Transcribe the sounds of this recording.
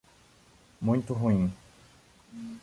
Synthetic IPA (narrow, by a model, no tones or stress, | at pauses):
mũj̃t̪ʊɦũĩ